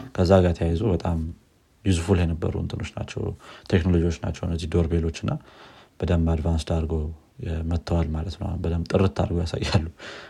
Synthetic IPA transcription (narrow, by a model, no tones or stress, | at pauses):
kʰəzːaɡaɾt̪ʰəjajazubət̪ʼam | jizfuljɛnəbːə̰ɾṵɨ̰nt̪ʰɨno̞t͡ʃːna̰t͡ʃːɛ̰wt̪ʰeknolo̞d͡ʒiwo̞t͡ʃːna̰t͡ʃːɛwɨnːəzːihd̪o̞ɾbelo̞t͡ʃːɨnːab̥əd̪əmːad̪vansd̪aɾɡo | mət̪ːəwalmalət̪nə̰wbəd̪əmt̪ʼɨɾɨt̪ːa̰ɾɡojasa̰jːalːu